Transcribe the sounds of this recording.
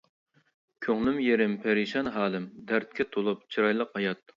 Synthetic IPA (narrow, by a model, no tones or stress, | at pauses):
kʲʰøŋlymjeɾɪmpʰæɾiʃɑnɦɑːlˠɨmd̪æɾt̪̚kʲɛt̪ʰolˠup̚t͡ʃʰiɾɑjlˠəqhɑjɑt̪̚